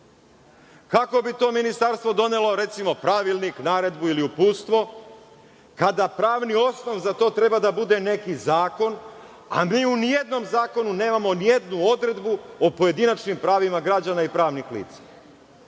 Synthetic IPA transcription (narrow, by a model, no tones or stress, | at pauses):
kako̞bit̪o̞ːminist̪aɾst̪ʋo̞d̪o̞ne̞loɾe̞t̪simo̞pɾaʋilˠniknaːɾe̞d̪builiupuːt̪st̪ʋo̞ | kad̪apɾaːʋnio̞sno̞ʋzat̪o̞ːt̪ɾe̞bad̪abud̪e̞ne̞kizaːko̞n | a̰miːunijed̪no̞mzaːko̞nune̞ːmamo̞nije̞d̪nuo̞d̪ɾe̞d̪buopo̞je̞d̪inat͡ʃnimpɾaːʋimaɡɾad͡ʑanaipɾaːʋnixlḭːt̪sḁ